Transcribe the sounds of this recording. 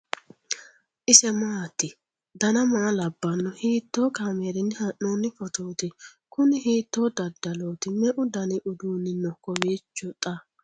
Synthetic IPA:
ʔɪsɛmaːt̪ːɪ | d̪ɐnɐmaːlɐbːɐnːɔhiːt̪ːoːkaːmeːɾɪnːɪhɐnːoːnːɪfɔt̪oːt̪ɪ | kʊnɪhiːt̪ːoːd̪ɐd̪ːɐloːt̪ɪmɛʔʊd̪ɐnɪʔʊd̪uːnːɪnːɔkɔweːt͡ʃːɔt̪ʼɐ

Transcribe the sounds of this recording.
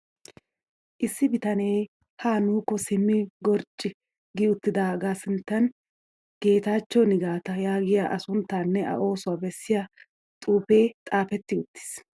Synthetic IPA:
ʔɪsːɪbɪt̪ɐne̞ː | haːnuːkːɔsɪmːɪɡɔɾt͡ʃʼːɪ | ɡɪʊt̪ːɪd̪aːɡaːsɪnt̪ːɐn | ɡ̥e̞ːt̪aːt͡ʃːɔnɪɡaːt̪ɐjaːɡɪjaʔɐsʊnt̪ːaːnːɛʔɐ̰ʔo̞ːsʊwabɛsːɪjɐ | t̪ʼuːpe̞ːt̪ʼaːfɛt̪ːɪʊt̪ːɪ̥s

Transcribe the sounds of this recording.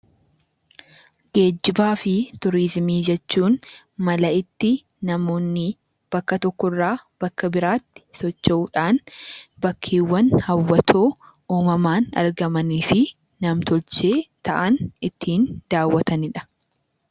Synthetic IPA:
ɡe̞ːd͡ʒːɪbaːfɪt̪ʊɾɪzmiːd͡ʒɛt͡ʃːuːn | mɐlɐɪt̪ːɪ | nɐmo̞ːnːɪ | b̥ɐkːɐt̪ɔkːɔɪrːaːb̥ɐkːɐbɪɾaːt̪ːɪ̥sɔt͡ʃːɐuːᶑaːnbɐkʰːiːwːɐnhɐwːɐt̪ʰo̞ː | oːmɐmaːnɐ̰ɾɡɐmɐniːfɪ | nɐmt̪ɔlt͡ʃe̞ːt̪ɐʔɐnɪt̪ʰːiːnd̪̥aːwːɐt̪ɐnɪᶑɐ̥

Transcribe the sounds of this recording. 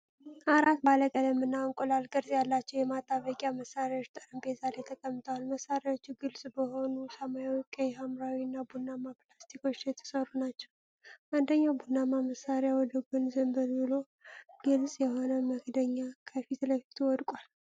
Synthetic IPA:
ʔaɾat̪baləkʼələmːɨnːaɔŋkʼolalɡʼɨɾsʼjalːat͡ʃːɛwjɛmat̪ʼːaβəkʼaməsːaɾjawo̞t͡ʃt̪ʼəɾəmbezalet̪ʰəkʼəmːɨt̪ʰəwalməsaɾjawot͡ʃːuɡɨlsʼbəho̞nusəmajawɔkʼːejɦamɾawiɨnːabunːamapʼlast̪ʰiko̞t͡ʃːjɛt̪ʰːə̥səɾunat͡ʃːɛw | ʔand̪əɲːawbunːamaməsaɾejawɔd̪əɡonzəmbəlbɨlo̞ | ɡɨlsʼjɛɦo̞nəməɡd̪əɲːakʰəfisləfi̥t̪ʰuwɔd̪kʼal

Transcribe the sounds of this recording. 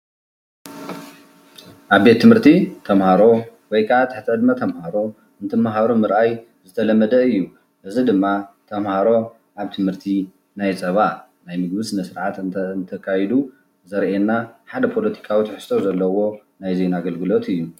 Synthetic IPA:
ʔaβbe̞t̪ʰːɨmhɨɾt̪ʰit̪ʰɐmhaɾo̞wɔjkʰaat̪ʰːaħt̪ʰɨʕɨd̪mɐt̪ʰɐmhaɾo̞ | ɨnt̪ʰɨmːaɦaɾomɨɾʔaj | zɨt̪ʰɐlɐmːɐd̪ɐɨjːu | ʔɨzid̪ɨmːat̪ʰɐmhaɾo̞ | ʔaβt̪ʰɨmhɨɾt̪ʰi | najsʼɐβa | najmɨɡ̚bɨsmɐsɨɾʕat̪nt̪ʰɐkʰajɛd̪u | zɐɾʔenːaħad̪ɐpʰo̞lɐt̪ʰi̥kʰawit̪ʰħɨ̥st̪ʰo̞zɐlːɐwo̞najze̞naɡɐlɡɨlo̞t̪ʰɨjːu

